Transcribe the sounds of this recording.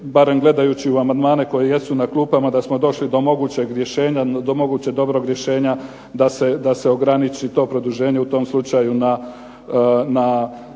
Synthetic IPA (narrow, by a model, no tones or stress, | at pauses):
baɾe̞mɡle̞d̪ajuːt͡ɕiuamand̪maːneko̞jeje̞sunaklˠuːpamad̪asmo̞d̪o̞ʃlid̪o̞mo̞ɡut͡ɕe̞ɡɾje̞ʃe̞ːɲad̪omo̞ɡuːt͡ɕeɡ̚d̪o̞bɾo̞ɡɾje̞ʃe̞ːɲa | d̪ase̞d̪ase̞o̞ɡɾanit͡ʃit̪o̞ːpɾo̞d̪uʒe̞ːɲe̞ut̪o̞mslˠut͡ʃajuna | na